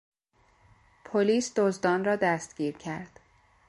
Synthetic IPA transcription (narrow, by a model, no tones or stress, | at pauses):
pʰoliːsd̪ozd̪ɒːnrɒːd̪æst̪ɡ̥iːɾcʰæɾd̪̥